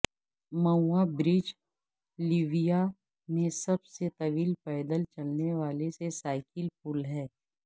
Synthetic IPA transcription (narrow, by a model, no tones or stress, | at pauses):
mɐuabɾɪd͡ʒ | liʋija | mẽsɐbset̪ɐʋiːlpɛːd̪əlt͡ʃɐlneʋaːlesesaːɪkɪlpʊlɦɛː